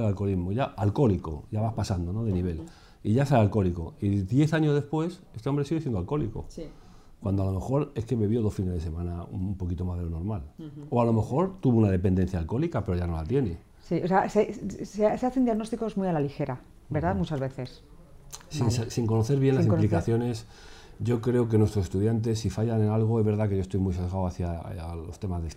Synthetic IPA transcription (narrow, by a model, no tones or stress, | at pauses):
elalko̞lizmo̞ʝaalko̞liko̞̰ʝaβaspasand̪o̞noðeniβ̞e̞l | iʝaeselalko̞liko̞̰iðje̞θaɲo̞zðe̞spwe̞se̞st̪eo̞mbɾeiɣesjnd̪alko̞liko̞̰ | kwand̪oalo̞me̞xo̞ɾe̞skeβeβjo̞ðo̞sfinezðese̞mãnaṵmpo̞kit̪o̞mazðelo̞no̞ɾmaloalo̞me̞xo̞ɾt̪uβunað̞e̞pe̞nd̪e̞n̟θjalko̞likape̞ɾo̞ʝano̞lat̪je̞ne̞ | sioseaseseseaθe̞nd̪jaɣno̞st̪iko̞zmujalalixe̞ɾa | be̞ɾðamut͡ʃazβe̞θe̞s | sinsiŋko̞no̞θe̞ɾβje̞nlasiplikaθjo̞ne̞s | ɟ͡ʝo̞kɾe̞ok̬e̞nwest̪ɾosest̪uðjant̪̬e̞sːifaʝanenalɣ̞o̞ezβe̞ɾð̞akeʝost̪ojmujsezɣaowaθjalo̞st̪e̞mazðes